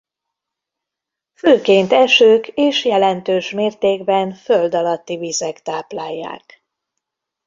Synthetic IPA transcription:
føːkeːnt̪ɛʃøːkeːʃjɛlɛnt̪øːʃmeːrt̪eːɡbɛnføld̪ɒlɒt̪ːivizɛkt̪aːplaːjːa̰ːk

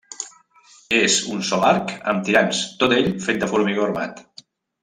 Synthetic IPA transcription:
ezunsɔlaɾkə̰mt̪iɾanst̪ot̪eʎfet̪̚d̪əfuɾmiɣoɾma̰t̪

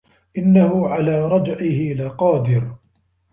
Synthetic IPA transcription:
ʔɪnːahʊʕalaːɾˤɑd͡ʒʕɪhɪʔɪlaːqɑːd̪ɪɾ

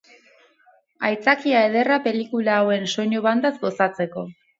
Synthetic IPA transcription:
ajt͡sakiaeð̞e̞rape̞likulaːwe̞nso̞ɲoβand̪azɡo̞sat͡se̞ko̞

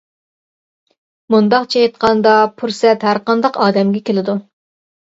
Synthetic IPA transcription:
mund̪ɑqt͡ʃʰejt̪qʰɑnd̪ɑpʰuɾsɛt̪hæɾqɑnd̪ɑqɑːd̪ɛmɡʲɛkʲelɪd̪u

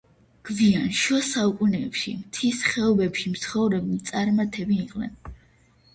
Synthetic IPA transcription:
ɡ̥vianʃɔsaukʼunɛːpʃḭmt̪ʰisχɛɔbɛpʃimt̪sχɔvɾɛbimt̪sʼaɾmat̪ʰɛbiːqʼnɛ̰n

